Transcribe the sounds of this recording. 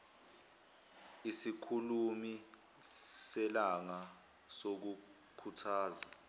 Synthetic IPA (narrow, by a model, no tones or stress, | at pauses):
isikʰulumi | sɛlaŋa | sok̬u | kʰutʰaːza